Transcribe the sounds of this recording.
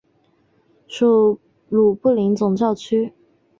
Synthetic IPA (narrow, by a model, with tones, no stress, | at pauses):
ʂu˨˩ | lu˨˩pu˥˩li˧˥ŋt͡sʊ˨˩ŋt͡ɕjɑ˥˩ʊt͡ɕʰy˥